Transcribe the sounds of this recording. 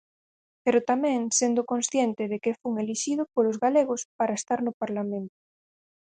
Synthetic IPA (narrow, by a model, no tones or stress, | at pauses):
peɾot̪amẽŋsend̪okõnsθjent̪eð̞ekefuŋeliʃið̞opolozɣaleɣ̞ospaɾaest̪aɾnopaɾlamẽnt̪o̥